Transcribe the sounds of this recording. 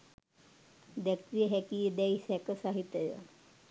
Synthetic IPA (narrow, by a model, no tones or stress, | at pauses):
d̪ɛkɾijəɦɛkiːd̪ɛjsɛkəsaɦit̪ːjəjə̰